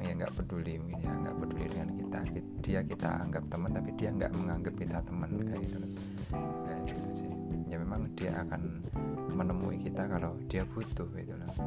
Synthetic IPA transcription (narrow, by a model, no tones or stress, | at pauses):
ŋjaŋɡa̰ʔbədulimkinjaŋɡa̰ʔbədulidəŋankit̪a̰ki | d̥iakit̪a̰a̰ŋɡap̚t̪əmənt̪apidiaŋɡa̰ʔməŋaŋɡəp̚kit̪at̪əmənkait̪ulah | jaɡit̪usɪhd͡ʒamemaŋd̥ia̰ʔakan | mənəmṵʔḭkit̪akalod̥iab̥ut̪ʊhɡit̪ulah